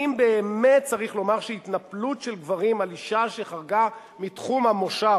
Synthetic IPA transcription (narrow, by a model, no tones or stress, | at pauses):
imbeːmet̚t͡saʁiχlo̞maʁʃeit̪naplutʃelɡvaʁimaliʃaʃeχaʁɡa | mitχumhamoʃa